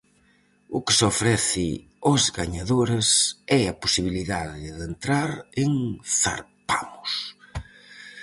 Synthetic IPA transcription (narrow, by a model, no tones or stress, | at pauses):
ʊkɪ̥sofɾɛθɪ | ozɣaɲaðoɾɪsɛaposiβiliðaðɪðent̪ɾaɾɪŋθa̰ɾpa̰mʊs